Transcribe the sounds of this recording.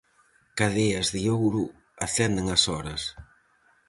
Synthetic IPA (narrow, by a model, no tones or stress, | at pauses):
kaðeɐzðiowɾu | aθɛnd̪eŋɐsɔɾɐs